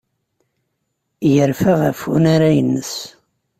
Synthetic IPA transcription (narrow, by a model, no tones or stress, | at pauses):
jəɾfæʁæfunaɾajənːəs